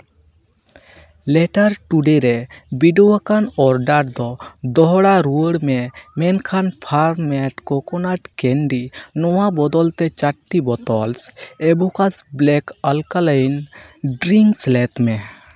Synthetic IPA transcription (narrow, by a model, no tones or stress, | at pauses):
lɛʈaɾʈuɖeɾɛbiɖɔwakanɔɾɖaɾd̪ɔd̪ɔɦɔɽaɾuəɽmɛmɛnkʰanpʰaɾmɛʈkɔkɔnaʈkɛɳɖinɔwabɔd̪ɔlt̪ɛt͡ʃaʈːibɔt̪ɔlsebɔkasblɛkəlkalajnɖɾiŋɡslɛt̪mɛ